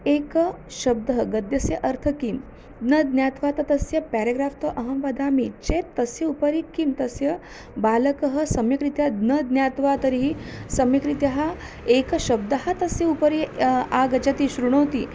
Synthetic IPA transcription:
ekəʃɐb̚d̪ɐɦɡɐd̪jɐsjɐʔɐɾt̪ʰɐkiːm | d̪nɐd̪njaːt̪ʋaːt̪ɐt̪ɐsjɐpɛɾeɡɾaːft̪ɐʔɐɦɐ̃mʋɐd̪aːmit͡ʃet̪ːɐsjɐupəɾikimt̪ɐsjɐ | balɐkəɦɐ̆sɐmjɐkɾit̪jad̪nəd̪njaːt̪ʋat̪ɐɾiɦisɐmjɐkɾit̪jɐɦa | ekɐɕɐb̚d̪ɐɦat̪ɐsjɐupɐɾiaɡɐt͡ʃat̪iːɕɾuɳ̃oʋt̪iː

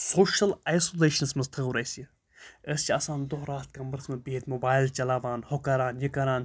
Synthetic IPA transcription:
soːʃɐlajsoːleːʃɐnsmɐst̪ʰəɣuɾɐjsi | əst͡ʃʰiɐsãːnd̪oɦɾaːt̪̚kɐmbɐɾsmɐbeːt̪mobaːjlt͡ʃɐlaːʋaːnhokaɾaːnjɐkɐɾaːn

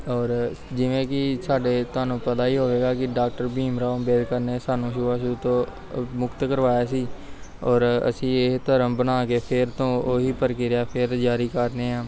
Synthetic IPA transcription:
ɔːɾ | d͡ʒɪʋẽːkisaːɖeːt̪ʊaːnũːpət̪aːiːɦoːʋeːɡaːkɪɖaːkʈəɾbiːmɾaːobeːd̪kəɾnesaːnũːʃuːʋaːʃuut̪õː | mʊkt̪kəɾʋaːjaːs̬iːɔːɾə̰sĩːet̪əɾəmbənaːkeːpʰɪɾt̪õːoːɦiːpəɾkɪɾjaːpʰɪɾd͡ʒaːɾiːkəɾneːãː

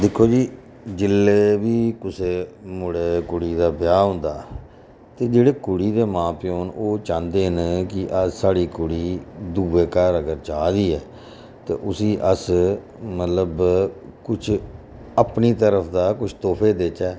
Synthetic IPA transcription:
d̪ɪkʰːoːd͡ʒiː | d͡ʒɪlːeːʋiːkʊseːmʊɽeːkʊɽiːd̪aːpɪjaːɦʊ̃ːnd̪aː | t̪eːd͡ʒeːɽeːkʊɽiːd̪eːmãːpɪjoːnoːt͡ʃãːnd̪eːnkɪʔəsaːɽiːkʊɽiːd̪uːʋeːkəɾəɡəɾt͡ʃaːd̪iːɛː | t̪ḛːʔʊsiːʔəs | mət̪ləbkʊt͡ʃʰ | əpniːt̪əɾəpʰd̪aːkʊt͡ʃʰt̪oːpʰeːd̪eːt͡ʃɛː

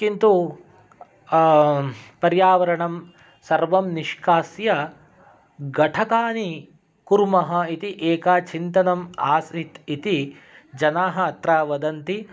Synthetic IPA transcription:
kint̪u | pɐɾjaːʋɐɾɐɳɐm | sɐɾʋɐmniʃkaːsjɐ | ɡɐʈʰɐkaːni | kuɾmɐɦɐit̪iʔeːkaːt͡ʃint̪ɐnɐmaːsit̪it̪i | d͡ʒɐnaːɦɐɐt̪ɾaːʋɐd̪ɐnt̪i

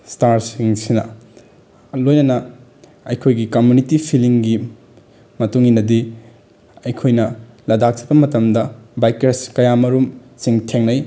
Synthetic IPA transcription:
staɾsiŋsinɐ̰ | lojnɐnɐ | ɐjkʰojɡikɐmjunitipʰiliŋɡi | mɐtuŋinɐdi | ɐjkʰojnɐ | lɐdak̚si̥bɐmɐtɐmdɐbajkɾeskɐjamɐɾum | siŋtʰeŋnɐj

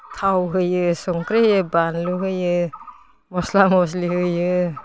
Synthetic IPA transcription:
tʰawɦɯjɯsɔŋkɾehjɯbanluɦɯjɯ | mɔslamɔs̬lihɯjɯ

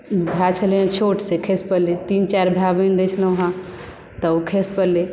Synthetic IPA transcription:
bʱjat͡ʃʰəlãt͡ʃʰoʈsekʰespəlet̪int͡ʃaɾbʱjabənɾɛt͡ʃʰləɦã | t̪əkʰespəle

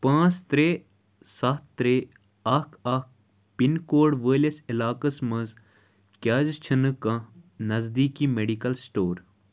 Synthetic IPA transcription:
pãːt͡st̪ɾeː | sɐt̪t̪ɾe | ɐkʰɐk̚ | pinkoːɖʋəːlɐsilaːkɐsmɐz | kʲaːzt͡ʃʰɨnɨkɐ̃nɐzd̪iːkiːmeɖikɐlsʈoːɾ

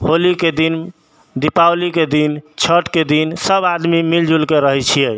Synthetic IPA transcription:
holiked̪in | d̪ipawliked̪int͡ʃʰəʈked̪insəbad̪mimild͡ʒʱulkeɾəɦɛt͡ʃʰije

